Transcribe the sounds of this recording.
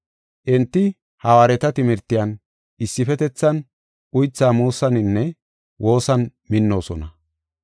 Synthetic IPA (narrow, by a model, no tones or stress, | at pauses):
ʔɛnt̪ːɪ | hɐwaːɾɛt̪ɐt̪ɪmɪɾt̪ːɪjɐn | ʔɪsːɪfɛt̪ɛt͡sːɐn | ʔʊjt͡sːaːmuːsɐnɪnːɛ | wʔo̞ːsɐnmɪnːo̞ːsɔnɐ